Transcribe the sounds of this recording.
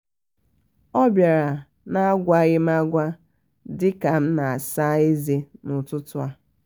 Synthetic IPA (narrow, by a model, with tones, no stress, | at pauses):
ɔ˦bja˨ɾa˨ | na˦a˦ɡʷa˦ɣɪ˦m̩˦a˦ɡʷa˦ | dɪ˦ka˨m̩˦na˨a˨sa˦e˦ze˦nʊ˨tʊ˦tʊ˦a˦